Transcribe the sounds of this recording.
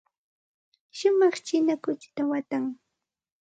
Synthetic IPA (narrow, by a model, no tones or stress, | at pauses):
ʃʊmɑχt͡ʃɪnakʊt͡ʃt̪awat̪aŋ